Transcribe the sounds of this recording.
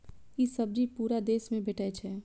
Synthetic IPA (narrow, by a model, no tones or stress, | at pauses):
kisɐb̚d͡ʒipuːɾad̪eːsmẽbʱeʈɛt͡ʃʰɛː